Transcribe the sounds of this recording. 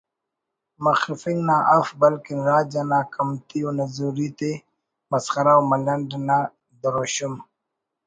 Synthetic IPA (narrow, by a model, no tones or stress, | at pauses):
maxifiŋnaʔafbɐlkinɾaːd͡ʒanaːkʰamt̪ionazuɾit̪e | mɐsxaɾawmalɐɳɖna | d̪əɾoɕum